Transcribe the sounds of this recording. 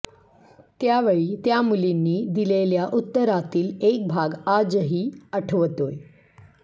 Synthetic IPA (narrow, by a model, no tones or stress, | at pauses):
t̪jaʋeɭiːt̪jamulinːiːd̪ileljaʔut̪ːəɾat̪iːlek̚bʱaɡad͡zəɦiːəʈʰʋt̪oj